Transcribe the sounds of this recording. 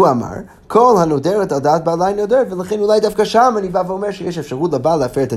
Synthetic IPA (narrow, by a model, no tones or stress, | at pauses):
uama̰ɹ | kʰɔlˠhanodɛɾətadaːt̚balˠaɪnodɛɾtvəlˠəχɛnulˠajdafkaʃamənivavomɛɾʃəjɛɪʃ̬ɛfʃəʁuːtlˠəbaːlˠəafeəta